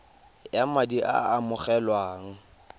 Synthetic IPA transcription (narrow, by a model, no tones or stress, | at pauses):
jamadiʔa̰ːmʊχɛlwaːŋ̩